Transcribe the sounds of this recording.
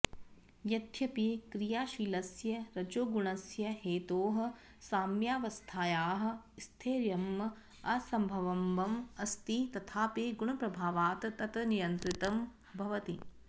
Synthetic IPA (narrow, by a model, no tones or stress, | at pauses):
jɐd̪ʱʰjɐpikɾijaːʃiːlɐsjɐɾɐd͡ʒoːɡuɳɐsjɐheːt̪oːɦɐ̆ | saːmjaːʋɐst̪ʰaːjaːɦɐ̆ | st̪ʰeːɾjɐmːɐ | ɐsɐmbʱɐʋɐmʋɐmɐst̪it̪ɐt̪ʰaːpeːɡuɳɐpɾɐbʱaːʋaːt̪ɐt̪ɐt̪ɐnijɐnt̪ɾit̪ɐm | bʱɐʋɐt̪i